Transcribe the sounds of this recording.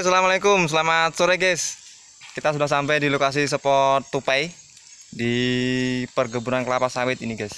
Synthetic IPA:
salamalekʊmsəlamat̪̚soɾeɡɛs | kit̪asudahsampajdilokas̬isəpɔt̪ːupaj | di | pərɡəbuɾankəlapasawɪt̪iniɡɛs

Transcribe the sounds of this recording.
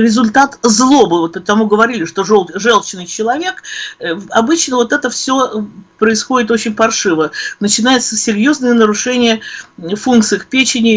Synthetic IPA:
ɾʲɪzʊlʲt̪at̪zlˠo̞bɨvot̪pət̪ɐmuɡəvɐɾʲilʲɪʂt̪o̞ʐolˠʐɛlˠt͡ɕɪnɨjt͡ɕɪlˠɐvʲekəɐbɨt͡ɕnəvo̞t̪ɛt̪əfsʲo̞pɾəɪsxo̞dʲɪt̪ot͡ɕɪnʲpɐrʂɨvənət͡ɕɪnajɪt̪səsʲɪɾʲjo̞znəjənəɾʊʂɛnʲɪjəfunkt̪sɨjəxpʲet͡ɕɪnʲɪj

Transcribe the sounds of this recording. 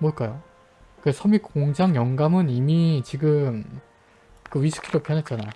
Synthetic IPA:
moɭk͈ajo | kɯesʰʌmik͈oŋd͡ʑaŋjʌŋɡamɯnimit͡ɕiɡɯm | kɯɥisʰu̥kʰidopʰjʌnɦet̚t͡ɕ͈ana̰jo

